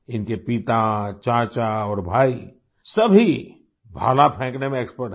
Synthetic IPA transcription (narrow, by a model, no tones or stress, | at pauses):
ɪnkepit̪at͡ʃãːt͡ʃaɔːɾbʱaːi | sɐbʱi | bʱa̰ːlapʰɛ̃ːknemẽeːkspəɾʈ